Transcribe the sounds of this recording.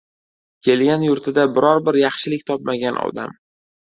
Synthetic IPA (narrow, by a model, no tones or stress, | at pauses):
kʲʰe̞lɡʲanjʊɾt̪ʰɪd̪abɪɾɒɾbɪɾjɑχʃɪlɪkʲt̪ʰɒp̚maɡʲanʔɒ̰d̪a̰m